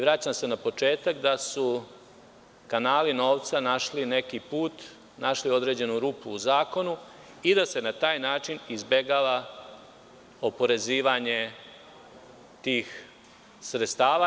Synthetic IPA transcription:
iʋɾat͡ɕamse̞napo̞t͡ʃe̞ːt̪akd̪asu | kanaːlino̞ːʋt̪sanaʃline̞kipuːt̪ | naʃlio̞d̪ɾe̞d͡ʑe̞nuɾupluːzaːko̞nu | id̪ase̞nat̪aːjnaːt͡ʃinizbe̞ɡaʋa | o̞po̞ɾe̞ziːʋaɲe̞ | t̪iːx | sɾet̪st̪aːʋa

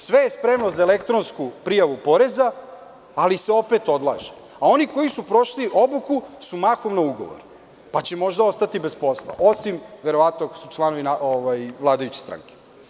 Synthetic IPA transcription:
sʋe̞jespɾemnozaelekt̪ɾonskupɾijaʋupo̞ɾezaː | liseo̞pet̪o̞d̪lˠa̰ːʒe̥ | ao̞niko̞jisupɾo̞ʃliʔo̞bukusumaxomnauɡo̞̰ʋo̰ɾ | pat͡ɕemo̞ʒd̪ao̞st̪at̪ibespo̞slˠa̰ʔo̞simʋeɾo̞ʋat̪noko̥sut͡ʃlˠano̞ʋinaoʋajʋlˠaːd̪ajut͡ɕe̥st̪ɾa̰ŋke̥

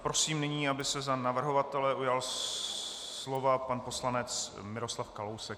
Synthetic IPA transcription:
pɾo̞siːmnɪɲiːabɪsɛzanavr̩ɦo̞vat̪ɛlɛʔujal | slo̞vapanpo̞slanɛt͡s | mɪɾo̞slafkalowsɛk

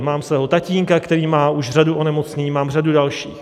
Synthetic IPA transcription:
maːmsvɛɦot̪aciːŋkakt̪ɛɾiːmaːʔuʃr̝aduʔonɛmot͡sɲɛɲiːmaːmradudalʃiːx

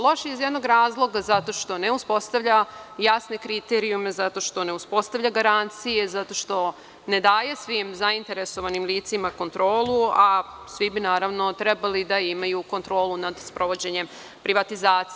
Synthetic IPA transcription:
lo̞ʃiizjed̪no̞ɡɾaːzlˠo̞ɡazat̪o̞ʃt̪o̞ne̞uspo̞st̪aʋʎajasne̞kɾit̪eɾiume̞zat̪o̞ʃt̪o̞ne̞uspo̞st̪aʋʎaɡaɾant̪sije̞zat̪oʃt̪o̞ | ne̞d̪aːjesʋimzaint̪e̞ɾe̞soʋanimliːt̪simako̞nt̪ɾo̞ːlˠua | sʋibinaːɾaʋno̞t̪ɾebalid̪aimajukont̪ɾo̞ːlunad̪spɾo̞ʋo̞d͡ʑe̞ɲe̞m | pɾiʋat̪izaːt̪si

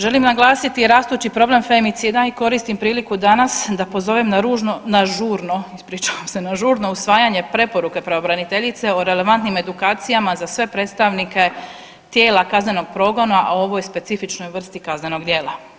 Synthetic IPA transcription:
ʒe̞limnaɡlˠaːsit̪iɾaːst̪ut͡ɕipɾo̞ble̞mfemit̪sid̪aiko̞ɾist̪impɾiːlikud̪anasd̪apo̞zo̞ʋemnaɾuːʒnonaʒuːɾnoispɾiːt͡ʃaʋamse̞naʒuːɾno̞usʋaːjaɲe̞pɾe̞po̞ɾuke̞pɾeobɾanit̪e̞ʎit̪se̞oɾe̞le̞ʋant̪nime̞d̪ukaːt̪sijamazasʋe̞pɾe̞t̪st̪aʋnike̞ | t̪je̞ːlˠakazne̞no̞ɡ̚pɾo̞ːɡo̞naʔo̞ʋo̞jspe̞t̪sifit͡ʃno̞jʋr̩st̪ikazne̞no̞ɡd̪je̞ːla

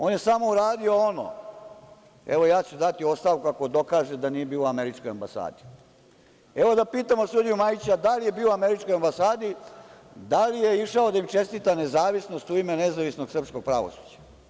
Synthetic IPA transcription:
oːnjesamo̞uɾaːd̪io̞ono̰ | ḛʋo̞jaːt͡ɕud̪at̪io̞st̪aʋkuakod̪o̞kaːʒed̪anije̞biːloameɾit͡ʂkojambasa̰ːd̪i | eʋo̞d̪apiːt̪amosud̪ijumajit͡ɕad̪alije̞biːoame̞ɾit͡ʃko̞jambasaːd̪i | d̪alijeiʂaod̪aimt͡ʃe̞st̪it̪ane̞zaːʋisno̞st̪uimenezaʋisno̞ɡsr̩psko̞ɡ̚pɾa̰ʋo̰su̥ːd͡ʑḁ

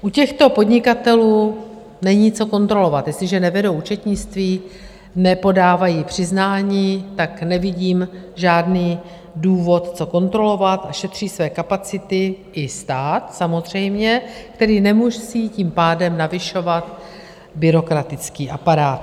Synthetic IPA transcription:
ʔucɛxt̪o̞po̞dɲɪkat̪ɛluː | nɛɲiːt͡so̞ko̞nt̪ɾo̞lo̞vat̪jɛslɪʒɛnɛvɛdowut͡ʃɛt̪ɲɪt͡st̪viː | nɛpo̞daːvajiːpr̝̥ɪznaːɲiːt̪aknɛvɪɟiːmʒaːdniː | duːvo̞t̪t͡so̞ko̞nt̪ɾo̞lo̞vat̪ʔaʃɛt̪r̝̥iːsvɛːkapat͡sɪt̪ɪʔɪst̪aːt̪samo̞zr̝ɛjmɲɛkt̪ɛɾiːnɛmuʒsiciːmpaːdɛmnavɪʃo̞vat̪ | bɪɾo̞kɾat̪ɪt͡skiːʔapaɾaːt̪

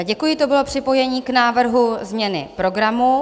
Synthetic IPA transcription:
ɟɛkujɪt̪o̞bɪlo̞pr̝̥ɪpo̞jɛɲiːknaːvr̩ɦuzmɲɛnɪ̰pɾo̞ɡɾamu

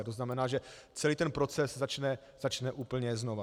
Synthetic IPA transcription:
t̪oznamɛnaːʒɛt͡sɛliːt̪ɛnpɾo̞t͡sɛszat͡ʃnɛ | z̥at͡ʃnɛʔuːpl̩ɲɛznova

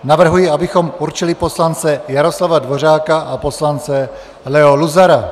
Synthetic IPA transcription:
navr̩ɦujiabɪxo̞muɾt͡ʃɪlɪpo̞slant͡sɛjaɾo̞slavadvo̞r̝aːkaʔapo̞slant͡sɛ | lɛoluzaɾa

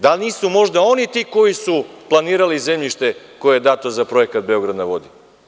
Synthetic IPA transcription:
d̪alniːsumo̞ʒd̪ao̞nit̪iːko̞jisuplˠaniːɾalizemʎiʃt̪e̞ko̞jed̪aːt̪ozapɾo̞jekat̪̚beo̞ɡɾad̪naʋo̞d̪i

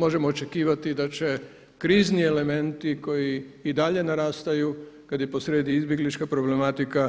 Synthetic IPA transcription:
mo̞ʒe̞moːt͡ʃe̞kiːʋat̪id̪at͡ʃe̞ | kɾiːzniele̞me̞nt̪iko̞jiːd̪aʎe̞naɾaːst̪ajukad̪jepo̞sɾed̪iizbʲjeɡlit͡ʃkapɾo̞ble̞mat̪ika

